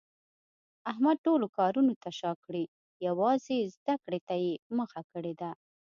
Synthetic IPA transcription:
aɦmad̪̚ʈolokɑɾunot̪aʃɑkɽi | jawɑzezd̪akɽet̪ajeməxakəɽed̪a

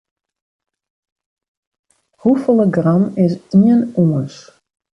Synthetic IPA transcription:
hufolˠəɡramɪs̬iənuəs

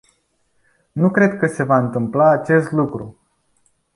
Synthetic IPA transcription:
nukɾe̞d̪kəse̞vaɨnt̪ɨmplaːt͡ʃe̞st̪lukɾu

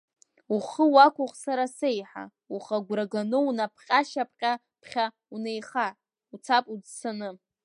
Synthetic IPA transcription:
uχəwakʷʰʊχʼsaɾasejħa̰ | uχaɡʷraɡanɨwnapʰqʲʼaʃapʰqʲʼa | pʰχʲa | une̞jχa | ut͡sʰapʼud͡zsʰanɨ

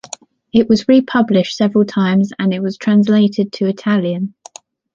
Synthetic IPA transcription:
ɪʔwɒzɹipʰʌblɪʃtsɛvɹəlˠtʰãɪ̃mzə̰̃nɪʔwɒz̥tʰɹ̥ãns̬leɪtʰɪd̚tʰəɪtʰaljə̃n

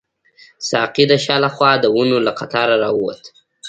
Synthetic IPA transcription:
sɑqid̪aʃɑlaxwɑd̪əwunolaqat̪ɑɾaɾɑwuwa̰t̪

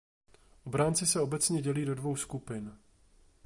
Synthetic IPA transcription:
ʔobɾaːnt͡sɪsɛo̞bɛt͡sɲɛɟɛliːdo̞dvo̞wskupɪn

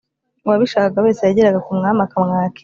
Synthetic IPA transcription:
waβiʃaːkaɡaβe̞ːsejaɟeɾaɡakumŋaːmakamŋaːke̥

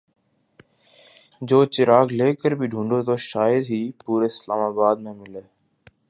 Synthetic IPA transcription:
d͡ʒoːt͡ʃɪɾaːɡleːkəɾbʱɪɖʱũːɳɖoːt̪ʰoːʃaːjəd̪ɦiːpuːɾeːɪslaːmaːbaːd̪̚mẽːmɪle

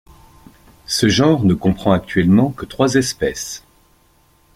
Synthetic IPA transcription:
səʒɑ̃ʁnəkɔ̃pχɑ̃ak̚t̪ɥɛlmɑ̃kət̪χwazɛspɛs

